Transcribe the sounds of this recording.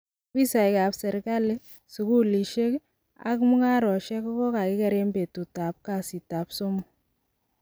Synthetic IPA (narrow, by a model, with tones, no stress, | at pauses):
kwi˦sa˨jka˨psɛ˨ɾka˦le˦ | su˨ku˦li˨ʃe˦k | a̰˨kmu˦ŋa˦ɾɔ˨ʃɛ˦kɔ˦kɔ˦ka˨kɪ˦kɛ˦ɾe˦mbe˨tu˨ta˨p̚ka˨si˨ta˨pso˦m˨